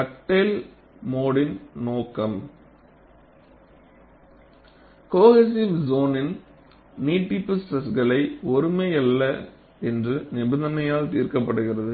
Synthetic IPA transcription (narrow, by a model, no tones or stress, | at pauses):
kɐʈːeːl | moːɽɪnnoːkːɐm | koːɣes̬iʋzoːnɪn | niːʈːɪpːɯsʈɐsɣɐɭɐɪɔɾɯmɐɐlːɐ | ɛndrɯnɪbɐnd̪ɐnɐjaːlt̪iːɾkɐpːɐɽɯɣɪrɐðɯ